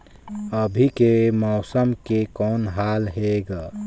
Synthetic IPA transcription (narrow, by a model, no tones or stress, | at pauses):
əbʱikemɔːsəmkekɔːnɦaːlɦeːɡaː